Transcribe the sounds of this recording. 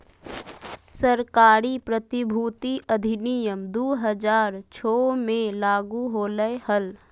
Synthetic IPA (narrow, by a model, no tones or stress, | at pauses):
səɾkaːɾipɾət̪ɪbʱuːt̪iʔəd̪ʱɪnijəmd̪oːɦəd͡ʒaːɾt͡ʃʰɔːmẽlaːɡuɦoːləehəl